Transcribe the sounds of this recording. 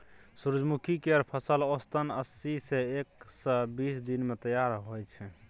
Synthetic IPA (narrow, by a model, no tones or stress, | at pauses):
suɾd͡ʒmukʰikeɾpʰəsəlost̪ənəsːiseeksəbisd̪inmet̪əjaɾɦojt͡ʃʰɛ